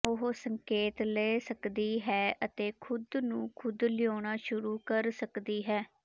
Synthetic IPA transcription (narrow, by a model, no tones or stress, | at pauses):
ʊɦsəŋkeːt̪leːsəkd̪iːɦɛːʔət̪eːkʰʊd̪nũːkʰʊd̪lɪjoːɽ̃aːʃʊɾuːkəɾsəkd̪iːɦɛː